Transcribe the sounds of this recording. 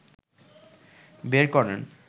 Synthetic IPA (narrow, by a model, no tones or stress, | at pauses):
beɾkɔɾen